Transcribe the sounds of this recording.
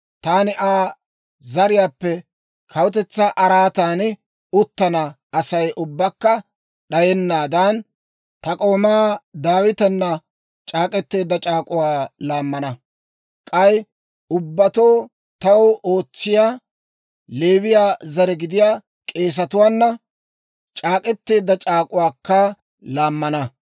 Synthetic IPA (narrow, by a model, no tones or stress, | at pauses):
t̪aːnɪʔaː | zɐɾɪjaːpːɛ | kʰɐwʊt̪ɛt͡sːɐʔɐɾaːt̪aːn | ʊt̪ːɐnɐ | ɐsɐjʔʊbːɐkːɐ | ɗɐjɛnːaːd̪aːn | t̪ɐkʼo̞ːmaːd̪aːwɪt̪ɛnːɐ | t͡ʃʼaːkʼɛt̪ːe̞ːd̪ːɐt͡ʃʼaːkʼʊwaːlaːmːɐnɐ | kʼɐj | ʊbːɐt̪oː | t̪ɐwo̞ːt͡sːɪjaː | leːwɪjaːzɐɾɛɡɪd̪ɪjaː | kʼe̞ːs̬ɐt̪ʊwaːnːɐ | t͡ʃʼaːkʼɛt̪ːeːd̪ːɐt͡ʃʼaːkʼʊwaːkːɐ | laːmːɐnɐ